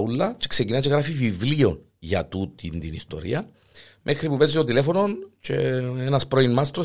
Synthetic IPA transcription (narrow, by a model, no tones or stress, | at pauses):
ulːɐce̥ksecinaceɣɾafivivlio̞n | ʝɐ̰t̪ut̪ind̪inist̪o̞̰ɾḭɐn | mʔexɾipupezːit̪ot̪ile̞fono̞nceenɐspɾoinmast̪ɾo